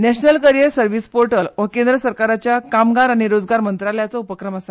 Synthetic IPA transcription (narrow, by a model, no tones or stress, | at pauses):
nɛɕnəlkəɾjəɾsəɾʋispoɾʈəlʋəkẽnd̪ɾəsəɾkaɾat͡ɕjakamɡaɾaɽ̃iɾod͡zɡaɾmənt̪ɾaljat͡səupəkɾəmasa